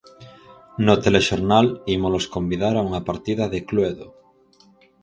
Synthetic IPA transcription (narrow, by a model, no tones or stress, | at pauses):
not̪eleʃoɾnalimoloskombiðaɾauŋapaɾt̪iðaðekluweðo